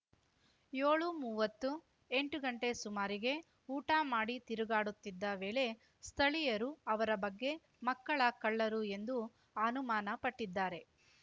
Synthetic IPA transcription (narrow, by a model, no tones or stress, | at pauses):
joːɭumuːʋɐt̪ːu | eɳʈuɡɐɳʈe̞sumaːɾiɡe̞ | uːʈaːmaːɽit̪iɾuɡaːɽut̪ːid̪ːɐʋe̞ːle̞ | st̪ʰɐɭijɐɾuɐʋɐɾɐbɐɡːe̞ | mɐkːɐɭɐkɐɭːɐɾue̞nd̪u | ɐnumaːnɐpɐʈːid̪ːaːɾe̞